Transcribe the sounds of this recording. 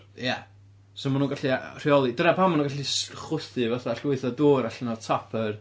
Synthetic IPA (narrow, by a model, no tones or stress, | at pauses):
ja | sɔmanuːnɡaɬir̥iɔlˠidənapʰamanuŋɡaɬisχʊθɨvaθaɬwɪɨθɔdoːɾaɬnɔtʰapʰər